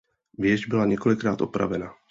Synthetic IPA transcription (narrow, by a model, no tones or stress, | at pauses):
vjɛʒbɪlaɲɛkolɪkɾaːt̪ʔopɾa̰vɛna